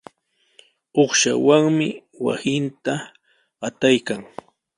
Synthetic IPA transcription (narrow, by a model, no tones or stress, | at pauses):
oχʃa̰waŋmɪ | wa̰sɪnt̪a | at̪ajkaŋ